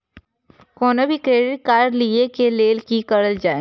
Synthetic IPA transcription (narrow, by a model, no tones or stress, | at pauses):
kɔːnebʱikɾeːɖɪʈ̚kaːɾliekeleːlkikɐɽəld͡ʒaːe